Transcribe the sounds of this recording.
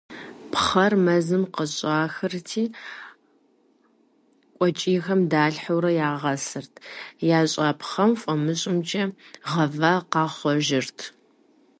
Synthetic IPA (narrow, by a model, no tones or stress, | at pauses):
pʰχɐrmɐzɨmqəɕʼaːxɨrtʰiː | kʷʼɔt͡ʃʼiːxɐmdaːɬħɐwɾɐjaːʁɐsɨrtʰjaːɕʼɑːpχɐmfʷʼɔmɨɕʼɪmt͡ʃʼɐʁɐvaːqɑːχʷɔʒɪrtʰ